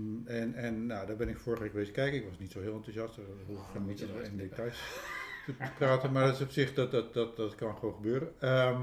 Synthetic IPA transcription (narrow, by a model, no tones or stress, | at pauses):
ɛnɛnːadɔbɪnɪkfoːrəxʋɪkɡəʋeːsəkɛjkəɪkʋɔsnitsoɦɪəlˠantusjɑstərhufanmitətɔɪndetajsətəpraːtənmardtɪsopsɪxdɔtɔtdɔtdɔtkɔnxoːxəbøːəɾənə